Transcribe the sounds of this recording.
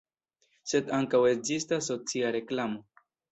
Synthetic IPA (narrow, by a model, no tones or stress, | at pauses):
se̞daŋkawe̞k̚zistasːo̞t͡siaɾe̞klamo̞